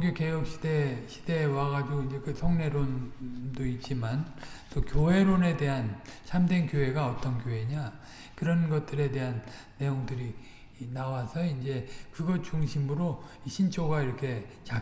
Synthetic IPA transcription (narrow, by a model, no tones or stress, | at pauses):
ɡjoke̞jʌk̚ɕ͈ʰi̥deɕʰi̥de̞waɡad͡ʑiɡoind͡ʑe̞kɯsʰʌŋne̞ɾondoit̚t͡ɕ͈imant͈okjoɦe̞ɾone̞de̞ɦant͡ɕʰamdenkjoe̞ɡaʌt͈ʌnkjoɦe̞ɲa | kɯɾʌnɡʌt̚t͈ɯɾe̞de̞ɦanː | e̞joŋdɯɾi | nawasʰʌind͡ʑe̞kɯɡʌt͡ɕuŋɕʰimɯɾoiɕʰint͡ɕʰoɡaiɾʌkʰe̞t͡ɕa